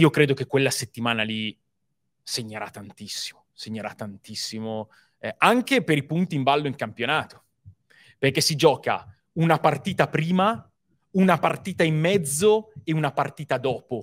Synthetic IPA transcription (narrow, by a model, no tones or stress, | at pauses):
iːokɾeːd̪ok̟ekːwelːaset̪ːimaːnali | seɲːeɾat̪ːant̪isːi̥moseɲːeɾat̪ːant̪isːimo | ɛaŋkepeɾipunt̪iːmbalːoiŋkampjonaːt̪o̥ | perkesːid͡ʒɔːka̰ | unapart̪iːt̪apɾiːma | unapart̪iːt̪aimːɛd̪zːoeunapart̪iːt̪ad̪ɔːpo